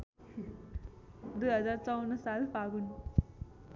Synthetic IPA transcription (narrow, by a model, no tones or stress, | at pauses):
d̪ujɦəd͡zaɾt͡sɔwnːsalpaɡun